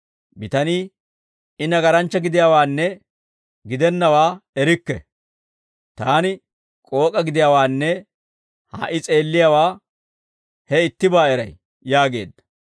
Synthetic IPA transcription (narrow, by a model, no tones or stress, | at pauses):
bɪt̪ɐniː | ɪnɐɡɐɾɐnt͡ʃːɐɡɪd̪ɪjawaːnːɛ | ɡɪd̪ɛnːɐwaːɛɾɪkːɛ̰ | t̪aːnɪ | kʼo̞ːkʼɐɡɪd̪ɪjawaːnːɛ | ha̰ːʔɪt͡sʼe̞ːlːɪjawaː | hɛɪt̪ːɪbaːɛɾɐ̰j | jaːɡe̞̰ːd̪ːɐ̥